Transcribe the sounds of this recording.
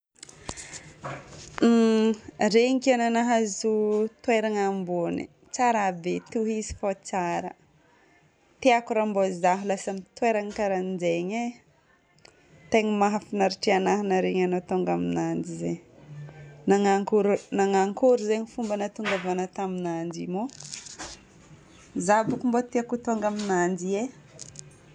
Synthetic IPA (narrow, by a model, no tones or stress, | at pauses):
ɾeɲkiananaɦazut̪weɾaŋambonḭ | t͡saɾabet̪uɦizi̥fat͡saɾə̰ | t̪iakuɾambozaɦulasamit̪weɾaŋkaɾanid͡ʒeɲa | t̪eɲimaɦafinaɾiʈ͡ʂianaɦanaɾeɲanot̪oŋɡaminand͡ʒize | naŋaŋkuɾnaŋaŋkuɾuzeɲifumbanat̪uŋɡavanət̪aminand͡ʒimo | zabukumbot̪iakut̪oŋɡaminand͡ʒie